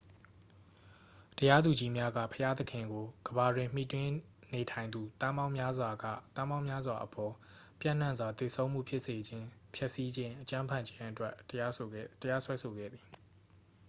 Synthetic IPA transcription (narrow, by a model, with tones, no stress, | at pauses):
təja˦d̪u˨d͡ʑi˦mja˦ɡa̰˦˨pʰəja˦d̪əkʰɪ̃˨ŋɡo˨ɡ̥əba˨dwɪ̃˨m̥ḭ˦˨twɪ̃˦ | ne˨tʰã˨ɪ̃nd̪u˨t̪ã˦mã˦ʊ̃mja˦zwa˨ɡä̰˦˨t̪ã˦mã˦ʊ̃mja˦zwa˨ʔəpʰɔ˨pjã̰˦˨n̥ã˦˨nzwa˨t̪e˨sʰõ˦ʊ̃m̥ṵ˦˨pʰjɪ˦ʔse˨d͡ʑɪ̃˦pʰjɛ˦ʔsi˦d͡ʑɪ̃˦ʔət͡ɕã˦mpʰã˦˨ɲd͡ʑɪ̃˦ʔətwɛ˦˨ | təja˦swɛ˦sʰo˨ɡɛ̰˦˨d̪ði˨